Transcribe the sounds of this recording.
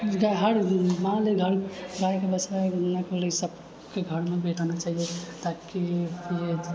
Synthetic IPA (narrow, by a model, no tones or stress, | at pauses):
ɡaɦəɽmãleɡʱəɾɾajkebət͡ʃɾanakələsəb | keɡʱəɾmebʱeʈanat͡ʃaɦijet̪akipʰe